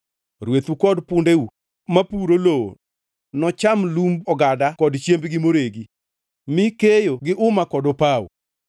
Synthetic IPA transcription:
ɾwet̪ukɔdpʊndeu | mapuɾoloo̰ | nɔt͡ʃamlumbɔɡadakɔdt͡ʃjembɡɪmoɾeɡi | mɪkejoɡɪʔʊmakɔdɔpawo̰

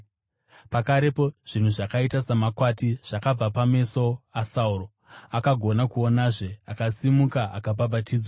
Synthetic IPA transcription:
pakaɾe̞po̞ʐ̥in̤uʐakaitasamakwatiʐ̥akab͡vapame̞so̞asauro̞ | akaɡʱo̞nakuonaʐe̞akasimukaakababatiːd͡zwa

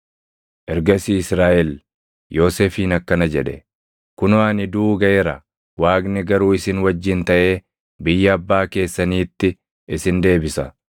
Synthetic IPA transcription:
ʔɛɾɡɐsiːɪsɾaːʔɛl | jo̞ːseːfiːnɐkːɐnɐd͡ʒɛᶑɛ̰ | kʊnʊaːnɪd̪uːɡɐʔɛɾɐ | waːɡnɪɡɐɾuːɪsɪnwɐd͡ʒːɪnt̪ɐʔe̞ː | bɪjːɐɐbːaːke̞ːsːɐniːt̪ːɪ | ɪsɪnd̪e̞ːbɪsɐ

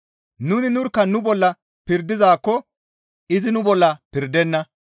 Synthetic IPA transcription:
nʊnɪnʊɾkːɐnʊbɔlːɐ | pɪɾd̪ɪzaːkːɔ | ɪzɪnʊbɔlːɐpɪɾd̪ɛnːɐ

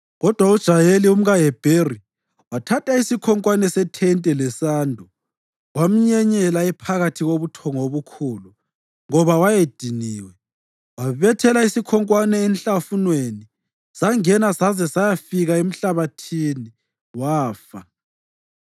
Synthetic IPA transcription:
ɣɔd̥ʱwaud̥ʒ̥ʱajelium̩ɣajɛb̥ʱeri | watʰatʰaisikʰɔŋkʼwanɛsɛtʰɛntʼɛlɛsaːndʱɔ | wam̩ɲɛɲɛlaɛpʰaɣatʰiɣoβutʰɔŋoβukʰuːlu | ŋɔβawajed̥ʱiniːwɛ | waβɛtʰɛlaisikʰɔŋkʼwanɛːnɬafunweni | saŋɛnasazɛsajafiɣaem̩ɬaβatʰini | waːfa

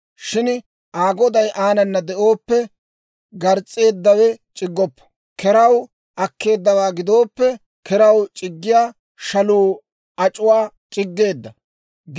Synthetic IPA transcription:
ʃɪn | ʔaːɡɔd̪ɐjʔaːnɐnːɐd̪ɛʔo̞ːpːɛ | ɡɐɾt͡sʼːe̞ːd̪ːɐwɛt͡ʃʼɪɡːɔpːɐ̥ | kɛɾɐw | ʔɐkːe̞ːd̪ːɐwaːɡɪd̪o̞ːpːɛ | kɛɾɐwt͡ʃʼɪɡːɪjaː | ʃɐluː | ɐt͡ʃʼʊwaː | t͡ʃʼɪɡːe̞ːd̪ːɐ

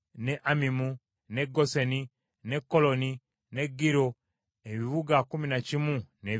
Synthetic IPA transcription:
neʔamimu | ne̞ɡoseni | ne̞kːolo̞ni | ne̞ɡiɾo | eβiβuɡakuminacimune

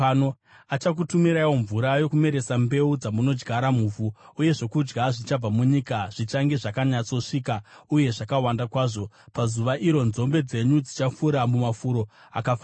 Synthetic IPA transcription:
no | at͡ʃak̬utumiɾawo̞ɱvuɾajo̞kume̞ɾe̞sambe̞ud͡zamuno̞d͡ʒɡaɾamuːvuuje̞ʐo̞kud͡ʒɡaʐit͡ʃab͡vamuɲikaʐ̥it͡ʃaŋɡeʐakaɲat͡so̞ʂiːkauje̞ʐakawandakwaːʐo̞ | pazuʋaʔiɾo̞nzo̞mbe̞d͡ze̞ɲud͡zit͡ʃafuɾamumafuɾo̞ | akafa

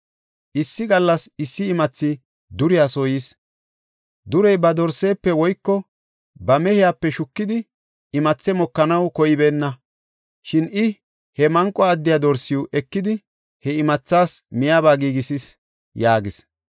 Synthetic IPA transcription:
ʔɪsːɪɡɐlːɐsɪsːɪːmɐt͡sːɪ | d̪ʊɾɪjasoːjis | d̪ʊɾɛjbɐd̪ɔɾsːe̞ːpːɛwɔjkːɔ | bɐmɛhɪjapːɛʃʊkːɪd̪ɪ | ɪmɐt͡sːɛmɔkːɐnɐwkɔjɪbeːnːɐ | ʃɪnɪ | hɛmɐŋkʼːɔɐd̪ːɪjaːd̪ɔɾsːɪjuʔɛkːɪd̪ɪ | hɛɪmɐt͡sːaːsmɪjaːbaːɡiːɡɪsɪs | jaːɡɪs

